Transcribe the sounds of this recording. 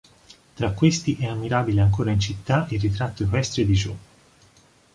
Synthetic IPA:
t̪ɾakːwest̪iʔɛamːiɾaːbileaŋkoːɾaint͡ʃit̪ːairːit̪ɾat̪ːoikɛst̪ɾed̪id͡ʒo

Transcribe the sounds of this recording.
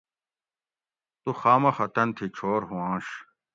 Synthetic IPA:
t̪uxaːmɐxɐt̪ɐnt̪ʰit͡ɕʰoːɾɦũãːɕ

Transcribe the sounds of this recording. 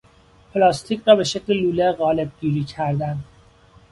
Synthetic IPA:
pʰlɒːst̪ʰicɾɒːbe̞ʃecʰleluːleɣɒːle̞b̚ɡiːɾiːcʰæɾd̪ænd̪

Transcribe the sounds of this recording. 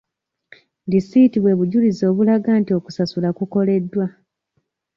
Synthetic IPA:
disitiβwe̞βuɟulizo̞ːβulaɡaːntio̞ku̥sasulakuko̞le̞dːwa

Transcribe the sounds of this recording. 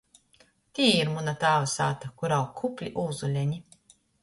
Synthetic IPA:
t̪ʲiːiɾmunat̪aːvasa̰ːt̪akuɾawkʰːupʲlʲiʔuːzulʲɛɲi

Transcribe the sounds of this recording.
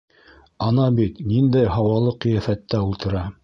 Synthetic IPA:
ɑnɑbit̪nind̪æjɦɑwɑlˠɤqɤ̆jæfæt̪ːæulˠt̪ɤ̆ɾɑ

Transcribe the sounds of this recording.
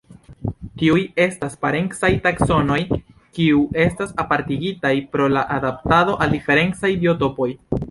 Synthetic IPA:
tiuje̞staspaɾe̞ŋksajtakso̞no̞j | kiue̞stasapaɾtiɡitajpɾo̞laʔadap̚tado̞ʔaldife̞ɾe̞nt͡sajbio̞to̞po̞j

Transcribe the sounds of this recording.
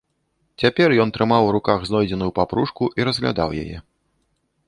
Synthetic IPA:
t͡sʲapʲɛrjɔnt̪ɾɨmawɾukaɣznɔjd͡zʲɛnujupapɾuʂkuʔiɾɐzɣlʲa̰d̪a̰wja̰jɛ̰

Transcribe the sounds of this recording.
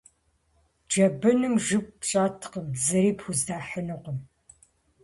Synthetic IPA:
d͡ʒɐbɨnɨmʒɨp̚ɕʼaːtʰqəmzɨɾiːpʰxuzdaːħənɨqʷəm

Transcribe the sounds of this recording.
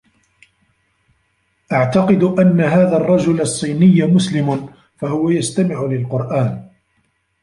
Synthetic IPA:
ʔaʕt̪ɑqɨd̪ʊʔanːaɦaːðaːrˤːɑd͡ʒʊlɑsˤːiːnɪjːmʊslɪmʊ | faɦʊwajast̪amɪʕʊlɪlqʊɾˤʔaːn

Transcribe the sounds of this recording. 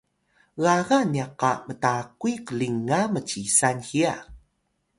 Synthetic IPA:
ɣaɣaniaqamətakuikəliŋamət͡ɕisanxia

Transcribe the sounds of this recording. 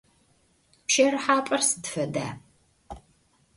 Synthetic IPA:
pʃɐrɨħaːpʼɐrsɨ̥dfɐda̰ː

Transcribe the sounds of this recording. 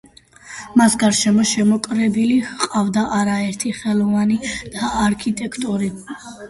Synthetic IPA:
masɡaɾʃɛmɔʃɛmɔkʼɾɛbiliqʼavd̪aʔaɾaɛɾt̪ʰiχɛlˠɔvanid̪̥aːɾkʰit̪ʼɛkʰt̪ʼuɾi

